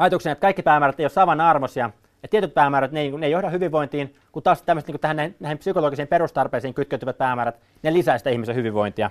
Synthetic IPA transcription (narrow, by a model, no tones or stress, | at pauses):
ɑjɑt̪uksenjet̪kɑikːipæːmæːræt̪ejosɑʋɑnɑrmosiɑ | jɑt̪iet̪yt̪̚pæːmæːɾæt̪neniːŋkunejohdɑhyʋiʋːoint̪iːn | kunt̪ɑːˑst̪æmːst̪niŋkut̪æhænæhinnæˑihimpsykoloːɡisiːmperust̪ɑrpeːsiːŋkyt̪køt̪yʋæt̪̚pæːmæːɾæt̪ | nelisæist̪æihmist̪æhyʋiʋːojnt̪iɑ̰